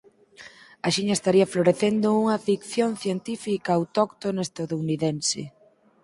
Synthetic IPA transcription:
aʃiɲɐest̪aɾiɐfloɾeθend̪ʊuŋɐfikθjonθjent̪ifikaːwt̪ɔkt̪onoest̪aðouniðensɪ̰

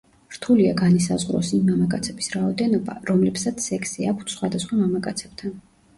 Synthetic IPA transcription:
ɾt̪ʰuliaɡanisazʁɾɔ̰simːamakʼat̪sʰɛbisɾaɔd̪ɛnɔba̰ɾɔmlɛpsat̪sʰːɛkʰsiakʷʰt̪ʰsχwad̪asχwamamakʼat̪sʰɛb̥̚t̪ʰan

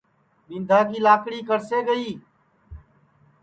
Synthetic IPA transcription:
mɪ̃nd̪ʱaːkiːlaːkɽiːkəɾseːɡəiː

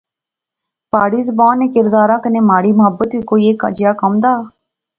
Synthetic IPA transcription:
paːɽiːzəbaːneːkɪɾd̪aːɾãːkəneːmaːɾiːmʊɦəbːət̪ʋiːkoːiːeːka̰d͡ʒɪjaːkəmd̪aː

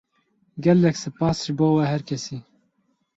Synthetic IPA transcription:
ɡɛlːɛksɨpɑːsʒboːwɛhɛɾkʰɛsiː

